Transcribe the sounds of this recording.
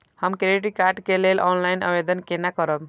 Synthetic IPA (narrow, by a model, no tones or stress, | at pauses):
həmkɾeʈikaɾɖkelelɔ̰nlajnə̰bed̪ənkenakəɾəb